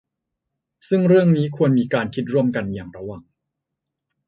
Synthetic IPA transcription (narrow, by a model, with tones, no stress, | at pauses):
sɯ˥˩ŋɾɯ˥˩əŋniː˦˥kʰu˧ənmiː˧kaː˧nkʰi˦˥t̪̚ɾu˥˩əmka˧njaː˨˩ŋɾa˦wa˨˩ŋ